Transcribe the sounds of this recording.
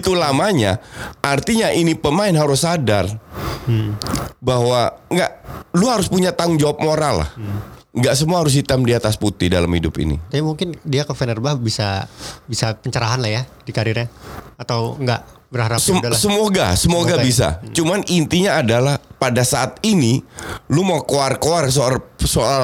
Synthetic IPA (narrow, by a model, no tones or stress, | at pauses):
it̪ulamaɲaʔart̪iɲaʔinipəmaɪnɦaɾʊsadar̩ | bahwaŋɡaʔluɦaɾʊspuɲat̪aŋd͡ʒawap̚moɾalːa̰h | ŋɡaʔsəmuaɦaɾʊs̬dit̪amdiat̪asput̪ɪhdalamhidʊpḭnḭt̪aamuŋkɪndiakəfɛnərbabisabisapəɲt͡ʃəɾaɦanlahjadikaɾiɾɲaat̪awŋɡa̰ʔ | bəɾhaɾasəlasəmoɡa̰səmoɡɡabisa̰t͡ʃumanint̪iɲaːdalahpadasaʔat̪̚inilumakoarkoars̬osoa